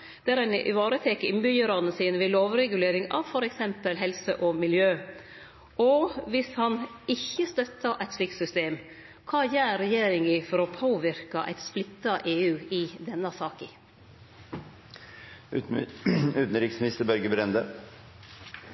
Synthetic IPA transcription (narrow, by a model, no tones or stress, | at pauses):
d̪̥ɛæːɾæɪnʔɪ̰ʋɑːɾət̪ʰeːkəɪnbʏjəɾɑnəsiːnəʋɪloːʋɾɛɡʉleːɾɪŋɑ̰ʋfɔɾɛksɛmpəlɦɛlsəʔɔmɪljøː | ɔʋɪshɑnɪçːəst̪œt̪ːɑʔæɪt̪sɪkt̪sʏst̪eːm | kʰɑːjæːɾɛjeːɾɪŋɪfɔɾɔpʰoːʋɪɾkɑʔæ̰ɪt̪splɪt̪ːɑʔeːʉːɪd̪ɛnːɑsɑːkɪ | ʉːt̪n̩ɾɪksmɪnɪst̪əbœɾɡəbɾɛnd̪ə